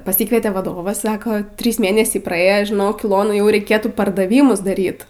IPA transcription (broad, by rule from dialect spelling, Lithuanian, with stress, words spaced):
pɐˈsʲiːkʋʲiɛtʲeː ʋɐˈdoːʋɐs ˈsɑːkoː ˈtʲrʲiːs ˈmʲeːnʲɛsʲɛɪ prɐˈeːjoː ʒʲɪˈnoːk ɪˈlˠoːnɐ ˈjɛʊ rʲɛɪˈkʲeːtuː pɐrdɐˈʋʲiːmʊs dɐˈrʲiːt